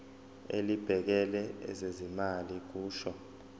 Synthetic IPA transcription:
elib̥ʱɛk̬ɛlɛɛ̰zezimalik̬uːʃɔ

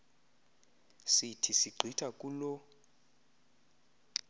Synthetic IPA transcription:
sitʰisiɡ͡ǀʱitʰʼakʼulɔ

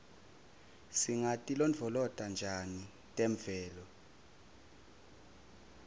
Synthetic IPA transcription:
siŋatʼilɔnd͡vʱɔlɔtʼand͡ʒʱani | tʼeɱvɛːlɔ

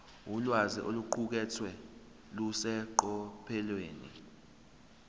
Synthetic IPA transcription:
ulwaziʔoluǃuk̬ɛt͡sʰwɛ | lusɛǃɔpʰɛlweːnḭ

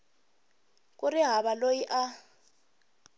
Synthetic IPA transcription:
kʼuriɦaβalojiʔa

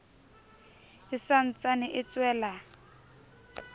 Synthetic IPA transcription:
ɪsan̩t͡sʼanɪʔɪt͡swɛːla

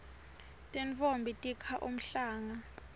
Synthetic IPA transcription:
tʼɛnfombʱitʼikʰaʔum̩ɬaːŋa

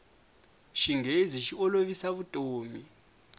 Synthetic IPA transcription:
ʃiŋeziʃiɔloβisaβutʼoːmi

